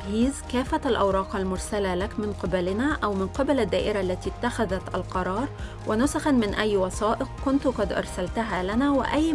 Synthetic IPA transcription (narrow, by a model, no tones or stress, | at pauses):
hiːzkæːfːaalʔawɾˤɑːqalmʊɾˤsalalakmɪnqɪbalɪnaːʔawmɪnqɪbalad̪ːaːʔɪɾaʔlːæt̪iːt̪ːaxaðat̪ʔalqɑɾˤɑːɾˤ | wɪnʊsaxanmɪnʔæjːwɑsɑːʔɪqkʊnt̪ʊqɑd̪ʔɑ̰ɾˤsalt̪aɦaːlanaːwɪ̰ʔajː